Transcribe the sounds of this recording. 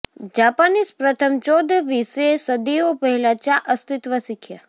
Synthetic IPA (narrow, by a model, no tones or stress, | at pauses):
d͡ʒaːpanispɾət̪ʰəmt͡ʃoːd̪əʋisesəd̪iopəɦilat͡ʃaʔəst̪ɪt̪ʋəsɪkʰja